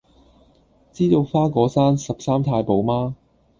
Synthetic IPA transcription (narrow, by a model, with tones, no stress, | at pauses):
t͡siː˥t̪o˧wfaː˥kʷɔː˨˥saː˥nsɐ˨p̚saː˥mt̪ʰaː˧jpo˨˧wmaː˥